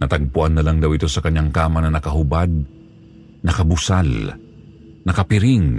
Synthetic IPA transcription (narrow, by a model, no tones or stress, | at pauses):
nɐt̪ɐɡ̚pʊʔanːɐlaŋd̪ɐwɪt̪o̞sɐkɐɲːaŋkaːmɐnɐnɐkɐɦʊbad̪̚ | nɐkɐbʊsal | nɐkɐpɪɾɪŋ